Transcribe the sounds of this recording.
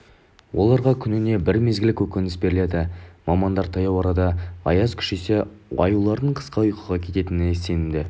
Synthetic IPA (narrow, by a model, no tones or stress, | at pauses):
wʔo̞̰lˠɑɾʁɑkʲʰʏnɪne̞bɪɾme̞zɡʲɪlɪkʲʰɵkʲɪnɪsbe̞ɾɪle̞d̪ɪmɑmɑnd̪ɑɾt̪ʰɑjɑwɑɾɑd̪ɑɑ̰jɑzkʲʰʏ̥ʃe̞se̞ | ɑ̰julˠɑɾd̪əɴqʰə̥sqɑʊjqəʁɑkʲʰe̞t̪e̞t̪ɪnɪse̞nɪmd̪ɪ